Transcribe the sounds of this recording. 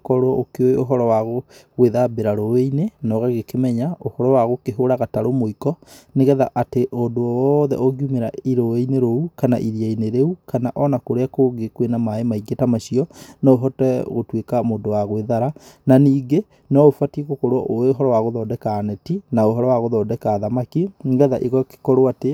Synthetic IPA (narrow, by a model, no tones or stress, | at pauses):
kɔɾoɔʔokeoeoɦɔɾɔwaɣoɣweðabeɾaɾoweinenɔɣɛɣekemɛɲaohɔɾɔwaɣokeɦoɾaɣataɾomoikɔneɣɛðaʔateʔondoɔwɔðɛ̰ʔɔɣiumeɾaiɾoweineɾoukana̰ʔiɾiaineɾeukanaʔɔnakoɾeakoɡekwenamaemaiɡetamaʃiɔnɔoɦɔtɛ̰ɣotwekamoːndowaɣweðaɾananiːɡe | nɔofatiɣokoɾwɔʔoeɦɔɾɔwaɣoðɔːdɛkaːnɛtinaoɦɔɾɔwaɣoðɔːdɛkaːðamakineɣɛðaʔiɣɔke̥kɔɾoate